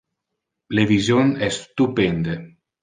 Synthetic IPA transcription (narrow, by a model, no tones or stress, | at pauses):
levizjonɛst̪upend̪e